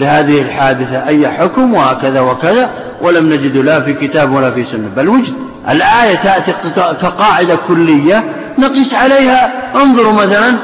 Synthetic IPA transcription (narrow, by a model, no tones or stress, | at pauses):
lɪhaːðɪhɪlħaːd̪ɪθaʔajːaħʊkmwhaːkaðawakaða | wʔalamnad͡ʒɪd̪lafikɪt̪aːbwalafisʊnːabalwad͡ʒd̪ | ʔɪ̰lʔaːjat̪aʔt̪iqkaqɑːʕɪd̪akʊlːɪjːa | nɑqɨsˤʕaleːhaʔɑnðˤʊɾmaθalan